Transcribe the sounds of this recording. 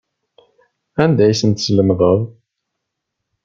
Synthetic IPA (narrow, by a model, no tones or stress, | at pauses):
ænd̪æjsənt̪sləmðˤəðˤ